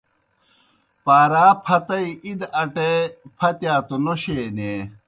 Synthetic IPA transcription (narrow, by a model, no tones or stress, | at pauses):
paːɾaːpʰɐt̪ɐiʔid̪ɐʈepʰɐt̪jaːt̪onoɕeːne